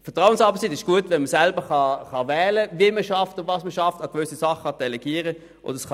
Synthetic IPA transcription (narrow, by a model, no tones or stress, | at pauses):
fəɐtʁaʊənsɑːbəsitɪʃɡ̥uətvɛnməsɛlbəχɑχɑvɛːləviəməʃɑftʊvɑːsməʃɑftɑɡvʏsisɑχɑd̥ɛlɛɡ̥iːəʁə | ʔo̰ːdəsχɑ